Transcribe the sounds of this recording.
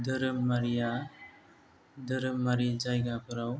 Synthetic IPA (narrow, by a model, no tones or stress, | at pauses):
d̪əɾɯmːaɾija | d̪əɾɯmːaɾid͡ʒajɡapɯɾaw